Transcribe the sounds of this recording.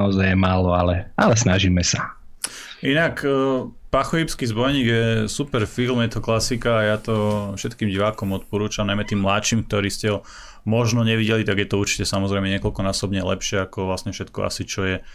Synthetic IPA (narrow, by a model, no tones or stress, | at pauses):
ɔzajɛmaːlɔalɛalɛsnaʒiːmɛsa | ʔinakː | paxɔjipskizbɔjɲiːɡjɛsupɛɾfilmjɛt̪ɔklasikaːjat̪ɔfʃɛt̪kiːmɟiʋaːkɔmɔt̪̚pɔɾuːt͡ʃamnaɪmɛt̪iːmːlat̪ʃimk̚t̪ɔɾiːscɛɦɔ | mɔʒnɔɲɛʋiɟɛlit̪aɡjɛt̪ɔuɾt͡ʃi̥cɛsamɔzɾɛmɛɲɪɛkɔlkɔnaːsɔbɲɛlɛ̰pʃɪɛakɔʋlasɲɛfʃɛt̪kɔ̰ʔa̰sit͡ʃɔjɛ